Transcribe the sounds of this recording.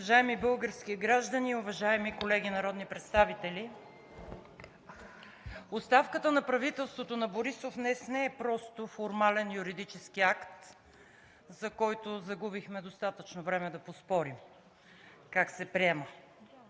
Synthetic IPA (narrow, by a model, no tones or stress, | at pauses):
ɐʒaɛmibɤlˠɡəɾskiɡɾaʒd̪əniʊvɐʒaɛmikolɛɡ̟inɐɾɔd̪nipɾɛt̪st̪avit̪ɛli | ost̪afkət̪ənɐpɾɐvit̪ɛlˠst̪vot̪onɐboɾisofnɛsnɛɛpɾɔst̪ofoɾmalɛnjuɾid̪it͡ʃɛsk̟iakt̪ | zɐkɔjt̪ozɐɡubixmɛd̪ost̪at̪ət͡ʃnovɾɛmɛd̪ɐpospɔɾim | kaksɛpɾiɛmə